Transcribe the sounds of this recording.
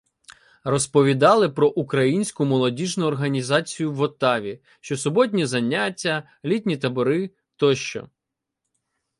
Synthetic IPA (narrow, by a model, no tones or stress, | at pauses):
rɔspɔʋʲid̪ɑlˠɪpɾɔʔukɾɐjinʲsʲkʊmɔlˠɔdʲiʒnʊɔrɦɐnʲizɑt͡sʲijʊwɔt̪ɑʋʲi | ʃt͡ʃɔsʊbɔt̬ʲnʲizɐnʲːatʲːɐ | lʲitʲnʲit̪ɐbɔɾɪ | t̪ɔʃt͡ʃɔ̰